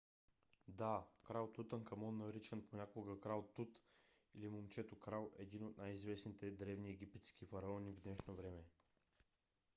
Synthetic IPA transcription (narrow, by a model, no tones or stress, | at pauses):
d̪akɾalˠt̪ut̪ənkɐmɔnːɐɾit͡ʃənponʲakoɡəkɾalˠt̪ut̪ilimomt͡ʃɛt̪okɾalˠɛd̪inot̪̚najizvɛsnit̪ɛd̪ɾɛvniɛɡ̟ʲipɛt̪skifɐɾɐɔnʲivd̪nɛʃnovɾɛmɛ